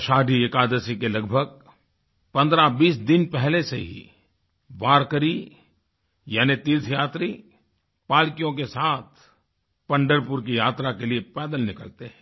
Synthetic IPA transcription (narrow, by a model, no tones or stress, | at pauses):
ʃaːɖʱiekaːd̪əsikelɐɡbʱəɡ̚ | pɐ̃nd̪ɾabiːsd̪ɪnpɛɦleseɦḭ | ʋaːɾkəɾi | jaːnit̪ilt̪ʰjaːt̪ɾi | paːlkijõk̬esaːt̪ʰ | pɐ̃ɳɖəɾpʊɾk̬ijaːt̪ɾakeliepɛːd̪əlnɪkəlt̪eɦɛ̃ː